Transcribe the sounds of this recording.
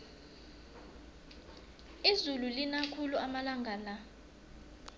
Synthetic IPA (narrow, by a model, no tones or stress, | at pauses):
izululinakʰuluamalaŋɡʱala